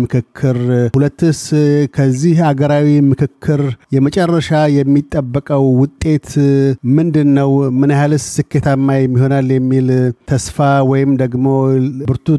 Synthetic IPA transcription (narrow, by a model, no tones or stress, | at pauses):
mɨkʰɨkʰːɨɾhulət̪ːɨskʰəzːihaɡəɾawimɨkɨkʰːɨɾjɛmət͡ʃʼɛrːəʃajɛmːit̪ʼːəbːəkʼəwːʊt̪ʼːe̞t̪mɨnd̪ɨnːəwmɨnjalɨssɨkːe̞t̪ʰamːajɛmːiho̞naljɛmːilt̪ʰəsfawɔjɪmd̪əɡmo̞bɨɾt̪ʰu